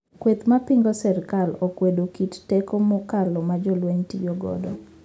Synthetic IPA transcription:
kwet̪mapiŋɡɔsɛɾkalɔkwedokittɛkomɔkalɔmad͡ʒɔlweɲtḭjɔɡɔ̰dɔ̰

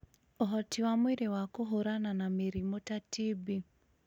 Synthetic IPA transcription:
ɔɦɔtiwamwiɾewakoɦoɾananameɾimotatibi

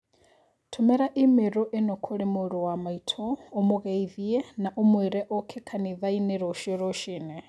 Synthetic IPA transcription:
tʰomɛɾaʔimeɾoʔenɔkʰoɾemoɾowamaitʰɔomoɣɛiðiɛnaʔomweɾɛʔokʰekʰaniðaineɾɔʃiɾɔʃinɛ

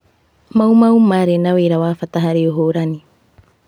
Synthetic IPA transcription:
mawmawmaɾenaweɾawaːfat̪aɦaɾeoɦoːɾani

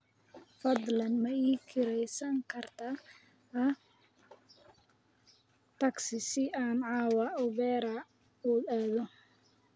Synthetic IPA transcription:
fɐd̪lɐnmɐiːkʰɪɾɛjsɐŋkʰɐrt̪ʰɐ | ɐ | t̪ʰɐɡsɪsɪaːnʕɑːwɑʔɔβɛːɾɐ | uːaːðɔ

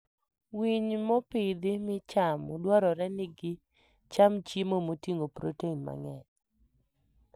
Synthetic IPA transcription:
wiɲmɔpɪd̪ɪmɪt͡ʃamodwɔɾɔɾɛnɪɡɪ | t͡ʃamt͡ʃimomotiŋopɾo̰teinma̰ŋɛ

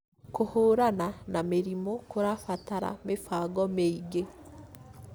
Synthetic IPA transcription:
kohoːɾananameɾimokoɾafataɾa̰mefaːɡɔmeiɡe

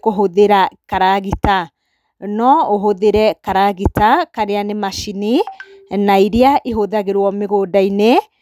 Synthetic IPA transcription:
koɦoðeɾakaɾaɣita | nɔoɦoðeɾɛkaɾaɣitakaɾeanemaʃini | naiɾiaʔeɦoðaɣeɾwɔmeɣodaine

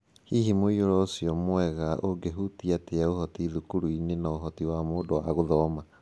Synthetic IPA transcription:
hihimoioɾɔosiɔmoɛɣaʔoŋɡeɦutiateaohɔtiðukuɾuinenaoɦɔtiwamoːdowaɣoðɔːma

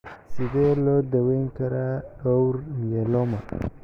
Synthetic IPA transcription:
sɪðɛːlɔːd̪ɐwɛŋkʰɐɾaɔwɾmijɛlɔmɐ

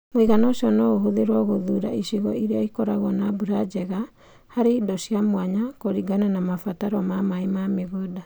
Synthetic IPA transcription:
mweɣanɔʃiɔnɔɣoɦoðeɾwaɣoðuːɾa̰iʃiɣɔiɾeɔikɔɾaɣɔnabuɾad͡ʒɛɣa | haɾeidɔsiamwaɲakoɾiɡananamafataɾɔmamaemameɣoda

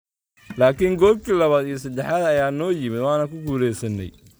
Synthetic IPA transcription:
laːkʰiːŋɡɔːlkʰiːlɐβaːd̪ijɔsɐd̪ɛħaːd̪ɐjaːnɔːjɪmɪd̪waːnɐkʰʊɡuːɾɛjsɐnːɛ̰j

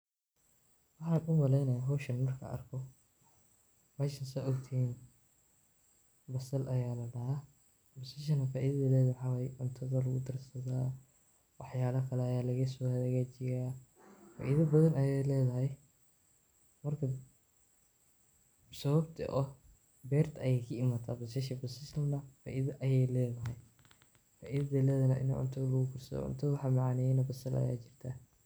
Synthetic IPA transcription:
wɑħɑːnʊmɐlɛjnɐjaːɦɔːʃɐnmɐrkʰɐ̰ɐ̰rkʰɔ | mɛːʃɐnsɛʔɔɡt̪ʰɪhiːn | bɐsɐlʔɐjaːlɐɖɐɦɐ | bɔsɪʃ̬ɐnɐfaːʔiːðɐðilɛːðɐħɑwɐjʔʊnt̪ʰɐðɐlɐɣʊd̪ɐrsɐðaː | wɑħjaːlɐkʰɐlɛɐjaːlɐɣɐsɔhɐðɣaːt͡ʃɪjaː | fa̰ːʔiðɐbɐðɐnɐjɛjlɛːðɐɦɛj | mɐrkʰɐ | sɐβɐbt̪ʰɐ̰ʔɔ | bɛːrt̪ʰɐjɛjkʰɐɪmaːt̪ʰaːbɐsɐʃɐbɐsɪst̪ʰɐmnɐfa̰ːʔɪðɐʔɐjɛjlɛːðɐɦɛj | fa̰ːʔiðɐðɐlɛːðɐnɐ̰ʔɪ̰nɐ̰ʕʊ̰nt̪ʰɐðɐlɐɣʊkʰʊrsɐ̰ðɔ̰ʕʊ̰nt̪ʰɐðɐwħɑmɑʕɑnɛjɛnɐbɐsɐlɐ̰ja̰ːt͡ʃɪr̥t̪ʰɐ

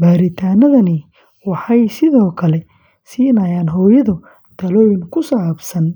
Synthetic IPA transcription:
baːɾɪt̪ʰaːnɐðɐnɪ | wɑħɑjsɪðɔːkʰɐlɛ | siːnɐjaːnɦɔːjɐðʊ | d̪̥ʰɐlɔːjnkʰʊsaːbsɐn

